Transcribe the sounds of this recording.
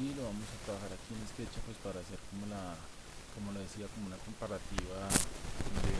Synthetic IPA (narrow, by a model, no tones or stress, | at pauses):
iloβamo̞sat̪ɾaβaxaɾakienespe̞t͡ʃapwespaɾaːse̞ɾkomola | komo̞loðesiako̞mounakompaɾat̪iβa | d̪e